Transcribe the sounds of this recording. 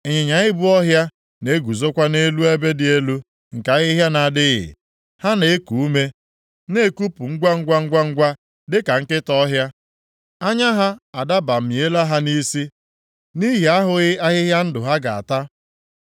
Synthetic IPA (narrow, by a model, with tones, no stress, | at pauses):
e˨ɲɪ˨ɲa˨ɪ˦bʊ˦ɔ˦ɦja˦ | ne˦ɡu˨zo˦kʷa˦ne˦lu˦e˦be˦dɪ˨e˦lu˦ | ŋ̩˨ka˨˦ɣɪ˦ɦja˦na˨dɪ˦ɣɪ̰˨ | ha˦ne˨˦ku˨u˦me˦ | ne˦ku˦pu˨ŋ̩˦ɡʷa˦ŋ̩˦ɡʷa˦ŋ̩˦ɡʷa˦ŋ̩˦ɡʷa˦ | dɪ˦ka˨ŋ̩˦kɪ˦tɔ˦ɦja˦ | a˦ɲa˦ɦa˦a˨da˦ba˨m̩˨mje˦la˦ɦa˦ni˦si˦ | ni˦ɦi˨a˦ɦʊ˨ɣɪ˦a˦ɣɪ˦ɦja˦n̩˦dʊ˨ɦa˦ɡa˨a̰˨ta˦